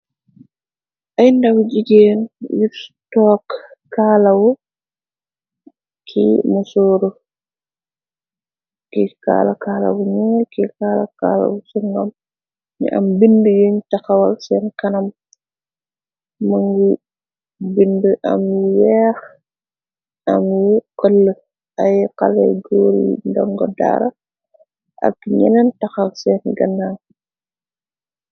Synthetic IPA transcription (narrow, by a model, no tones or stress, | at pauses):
ʔajndawd͡ʒiɡenjiɾtɔːkːaːlawɔ | kʰḭmɔsoːɾɔ | kika̰ːlakaːla̰wɔɲɛkikaːla̰ka̰ːla̰wɔsuŋɡam | ɲḭʔa̰mbindəjoɲtaxawalsɛnkɐnɐm | mɐŋɡu | bindəʔɐ̰mjwɛːx | ɐmjiqəlːə | ʔajqalɛ̰ɡoːɾḭndɔŋɡɔda̰ːɾɐ | ʔɐ̰kːɲɛ̰nɛntɐxɐlsɛːnɡɐnaŋ